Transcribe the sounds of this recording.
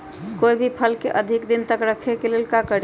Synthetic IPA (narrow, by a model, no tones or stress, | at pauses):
koibʱipʰəlkeʔəd̪ʱikd̪int̪əkɾəkʰekelelkakəɾ